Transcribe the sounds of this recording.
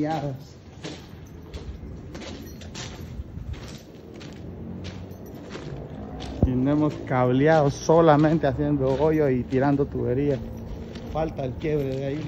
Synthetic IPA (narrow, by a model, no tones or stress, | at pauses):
aðos | inoemoskaβljaðosolamẽnt̪easje̞nd̪oojoit̪iɾand̪ot̪uβeɾia | falt̪aelkjeβɾeðai